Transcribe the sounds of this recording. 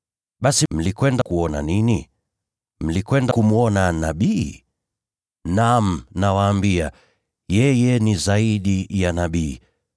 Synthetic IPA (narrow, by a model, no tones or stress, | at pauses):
ɓasim̩likwɛndakuɔna̰nini | m̩likwɛndakumuɔnanaɓiː | nam̩nawaːmbia | jɛjɛnizaiɗijanaɓiː